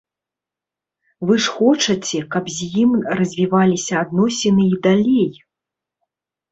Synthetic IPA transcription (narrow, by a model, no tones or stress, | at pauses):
vɨʂxɔt͡ʂɐt͡sʲɛkɐpzʲjimrɐzʲvʲivalʲisʲɐːd̪nɔsʲinɨid̪alʲej